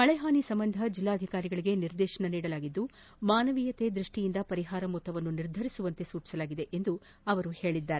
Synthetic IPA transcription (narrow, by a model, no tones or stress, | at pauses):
ɐɭɛɦaːnisɐmbɐnd̪ʱɐd͡ʒilːaːɐd̪ʱikaːɾiɡɐɭiɡe̞niɾd̪ɛːʃɐɳɐniːɽɐlaːɡid̪ːu | maːnɐʋiːjɐt̪e̞d̪ɾuʂʈijind̪ɐpɐɾiɦaːɾɐmut̪ːɐʋɐnːuniɾd̪ʱɐɾisuʋɐnt̪e̞suːt͡ʃi̥sɐlaːɡid̪e̞ʔend̪u | ɐʋɐɾuhe̞ːɭid̪ːaːɾe